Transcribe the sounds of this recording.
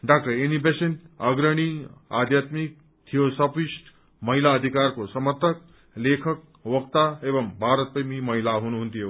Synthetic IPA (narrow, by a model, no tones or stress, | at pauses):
ɖak̚ʈʌɾinibesenʌɡɾʌɽ̃ia̰d̪ʱjat̪mik̚ | t̪ʰijosʌpisʈ | mʌɦilaːd̪ʱikarkosʌmʌrt̪ʰʌk̚ | lekʰʌk̚ | wʌkt̪aebʌmbʱaɾʌt̪̚pʌjmimʌɦilaɦunuɦunt̪ʰijo